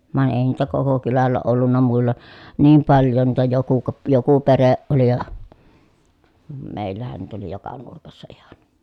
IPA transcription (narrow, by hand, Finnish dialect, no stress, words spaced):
ʋɑˑi̯n eˑi niːtæ koko kylælːæ olːunːɑ muilːɑ niːm pɑljon niːtæ joku ko joku pereʔ ʔoli jɑ meˑi̯lːæhæn niːtæ oli jokɑ nurkɑsːɑ ihɑn